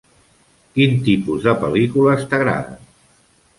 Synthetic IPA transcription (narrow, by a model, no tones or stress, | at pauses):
kint̪ipuzðəpəlikuləst̪əɣɾa̰ðə̰n